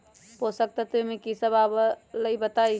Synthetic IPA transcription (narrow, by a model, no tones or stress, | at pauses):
posək̚t̪ət̪emekisəbabələjbət̪aj